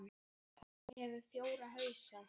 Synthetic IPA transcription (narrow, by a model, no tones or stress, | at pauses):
θa | hɛvʏɾfjoːwɾaɦœːɥsa